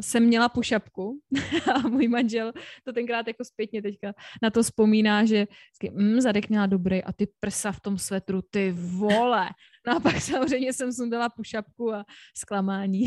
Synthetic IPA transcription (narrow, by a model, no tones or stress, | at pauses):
sɛmːɲɛlapuʃapkuamuːjmanʒɛlt̪o̞t̪ɛŋkɾaːt̪jako̞spjɛt̪̚ɲɛt̪ɛckanat̪o̞spo̞miːnaːʒɛskɪm̩zadɛkmɲɛlado̞bɾɛjʔa̰t̪ɪpr̩saft̪o̞msvɛt̪ɾut̪ɪvolɛ | noapaksamor̝ɛjmɲɛsɛms̬undɛlapuʃap̚kuasklamaːɲiː